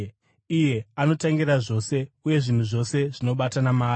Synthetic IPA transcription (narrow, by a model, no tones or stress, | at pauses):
ije̞ano̞taŋɡiɾaʐo̞ːse̞uje̞ʐin̤uʐo̞se̞ʐino̞ɓatanamaː